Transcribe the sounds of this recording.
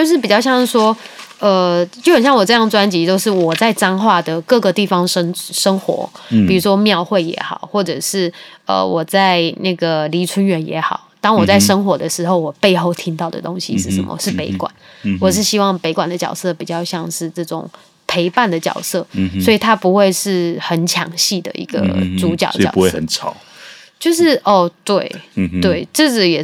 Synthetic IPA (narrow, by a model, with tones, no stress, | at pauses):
jo˥˧ʊʂ̬ɻ̩˥˩pi˨˩t͡ɕjɑ˥˧ʊɕjɑ˥˧ŋʂ̩˥˩ʂwɔ˥ | ə˧t͡ɕjo˥˩ʊxə˨˩nɕɑ˥ŋwɔ˨˩ʈ͡ʂɤ˥˧jɑ˥˩ŋʈ͡ʂwa˥nt͡ɕi˧˥t͡ɕjo˥˧ʊʂɻ̩˥˩wɔ˨˩t͡sa˥˩ɪʈ͡ʂɑ˥ŋxwa˥˩d̪ə˩kɤ˥˩ɡə˩t̪i˥˩fɑ˦ŋʂə˥ŋʂə˥ŋxwɔ̰˧˥pi˨˩u˧˦˥ʂwɔ˥mjɑ˥˧ʊxwe˥˩ɪjɛ̰˧˥xɑ̰˨˩ʊxwɔ˥˩ʈ͡ʂɤ˨˩ʂɻ̩˥˩ə̰˨˩wʔɔ˨˩t͡sa˥˧ɪna˥˩ɡə˩li˧˥ʈ͡ʂʰwə˥nɥɛ˧˥njɛ̰˧˥xɑ˨˩˦ʊt̪ɑ˥ŋwɔ˨˩t͡sa˥˩ɪʂə˥ŋxwɔ˧˥d̪ə˧ʂɻ̩˧˥xo˥˩ʊwɔ˨˩pe˥˧ɪxo˥˩ʊt̪ʰi˥ŋt̪ɑ˥˩ʊd̪ə̰˨˩t̪o˥ŋɕḭ˧ʂɻ̩˥˩ʂə̰˧˦mə̰˧ʂɻ̩˥˩pe˧˥ɪkwa̰˨˩˦n | wɔ˨˩ʂ̬ɻ̩˥˩ɕi˥wɑ˥˩ŋpe˧˥ɪkwa˨˩nd̪ə˦t͡ɕjɑ˨˩ʊsɤ˥˩pi˨˩t͡ɕjɑ˥˧ʊɕjɑ˥˧ŋʂɻ̩˥˧ʈ͡ʂɤ˥˩ʈ͡ʂʊ̰˨˩ŋ | pʰe˧˥ɪpa˥˩nd̪ə˩t͡ɕjɑ̰˨˩ʊsɤ˥˩swɔ˧˥i˨˩t̪ʰa˥pu˧˥xwe˥˧ɪʂɻ̩˥˩xə˨˩nt͡ɕʰjɑ̰˧˥ŋɕi˥˩d̪ə̰˩ʔḭ˧˥ɡ̥ə̰˧t͡su˧˥t͡ɕjɑ̰˨˩ʊ̰˨˩˦u˧we˥˩ə˧˦nt͡sʰɑ˨˩˦ʊ | t͡ɕjo˥˧ʊʂɻ̩˥˩ʔɔ˥˩t̪we˥˩ɪt̪we˥˩ɪʈ͡ʂɤ˥˩d͡z̩˨˩jɛ˨˩